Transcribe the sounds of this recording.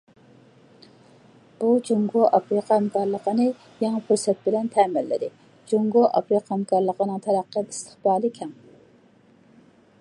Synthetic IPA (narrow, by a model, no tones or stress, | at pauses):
b̥ud͡ʒuŋɡoʔɑpɾiqɑɛmkɑɾlˠəqʰənɨ | jɑŋæpʰuɾsɛt̪̚bɪlɛnt̪ʰɛmɪlːɪ̰d̪ɪ | d͡ʒuŋɡoʔɑ̰pɾiqɑhɛmkʰɑɾlˠəqənɨŋt̪ʰɛɾæqːəist̪ʰə̥χbɑːlˠɨkʲʰɛŋ